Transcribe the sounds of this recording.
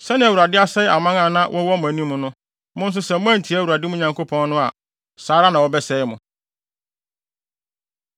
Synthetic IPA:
sɛ˦nɪ̃˦æ˨wu˨a˨dɪ˦a˦sɛ˦ʔa˨mã˦ŋã˨nã˦wʔɔ˦wɔ˦mʊ̃˨æ˨nĩ˦mʊ̃˨nʊ̃˦ | mʊ̃˦n̩˦s̬ʊ˦sɛ˨mʊ̃˦æ̃˦n̩˨tʰi˨˦æ˦wu˨ɾa˨dɪ˦mʊ̃˦ɲã˨ŋko˦pʰɔ̃˦nː˦ʊ̃˦a˨ | saː˨˦ɾa˦nã˨wɔ˦bɛ˦sɛ˦ɪ˦mʊ̃˨

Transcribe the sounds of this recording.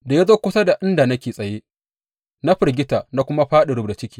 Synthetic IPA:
da˨ja˦zoː˦kʷʊ˦sa˦da˨ʔɪ˦nda˨nɐ˦kʲeː˨sʼɐ˨jeː˦ | na˦ɸɪ˨rɡʲɪ˦taː˨na˦kʷʊ˦ma˦ɸaː˦ɗɪ˨ɽʊ˦bda˨t͡ʃɪ˦kʲiː˦

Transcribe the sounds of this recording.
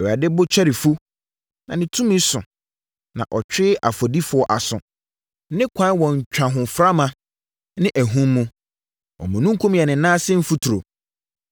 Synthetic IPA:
ɛ˨a˨dɪ˦bʊ˦t͡ɕʰᶣɛ˦ɾɪ˨fu˦ | nã˨nɪ̃˨tʰũ˦mĩ˦sʊ̰̃˨ | nã̰˨ʔɔ˨t͡ɕᶣɪ˦a˨fɔ˨di˦fʊ˨˦ɔ˨ʔa˨sʊ̃˨ | nɪ̃˦kʷʰã˦n˦wɔ̃˨ɲ̩˨t͡ɕᶣã˨ɦʊ̃˨fɾa˦mã˨˦ | nɪ̃˦ʔæ˨ɦũ˦mːũ˦ | ɔ̰˨mũ˨nũ˦ŋ˦kʰũ˦m˨ɛ˨nɪ̃˨nãː˦sɪ̃˦m̩˦fu˦tʰu˨ɾo˨

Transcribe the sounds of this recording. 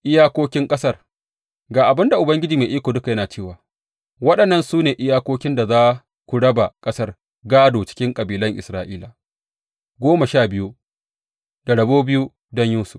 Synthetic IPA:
ʔɪ˦jaː˦kʷoː˦kʲɪ˦ŋkʼɐ˦sɐ˦˨r | ɡaː˨ʔa˨bɪ˦nda˨ʔʊ˨bɐ˦ŋɡʲɪ˦d͡ʒiː˨meː˨ʔiː˦kʷoː˨dʊ˦ka˨jɐ˦naː˨t͡ʃeː˦˨waː˨ | wɐ˦ɗɐ˨nːɐ˦˨nsuː˦neː˨ʔɪ˦jaː˦kʷoː˦kʲɪ˦nda˨zaː˦ | kʷʊ˨ɽɐ˦ba˨kʼɐ˦sɐ˦r | ɡaː˦doː˨t͡ʃɪ̥˦kʲɪ˦ŋkʼɐ˨biː˨lɐ˦ŋʔɪ̰˨sɾaː˨ʔiː˦laː˨ | ɡʷoː˦mɐ˨ʃaː˦˨bɪ˦ju˦ | da˨ɽɐ˨boː˦bɪ˦ju˦ | dɔ˦ɲjuː˦sʊ̥˨f

